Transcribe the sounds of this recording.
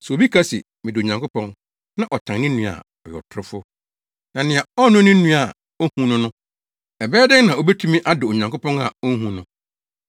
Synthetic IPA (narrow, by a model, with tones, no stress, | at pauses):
sɛ˨o˨bi˦kʰa˦sḭ˨ | mɪ̃˨dɪ˨o˨ɲã˨ŋkʰʊ˦pʰɔ̃˦n | nã˦ʔɔ˨tʰã˨ŋnɪ̃˦nũ˨a̰˨ | ɔ˨jɔ̰˨tʰɾʊ˦fʊ˦ | nã˨nɪ̃˨a˨ɔ˦nʊ̃˦nɪ̃˦ũ˦a˨ | o˦hũ˦nʊ̃˦nʊ̃˦ | ɛ˨bɛː˦dɪ˦nã˨o˨bɛ˦tʰũ˦mĩ˦ʔa˦dʊ˨o˨ɲã˨ŋko˦pɔ̃˦ŋa̰˨o˦ŋ̩˦ɦũ˨nʊ̃˦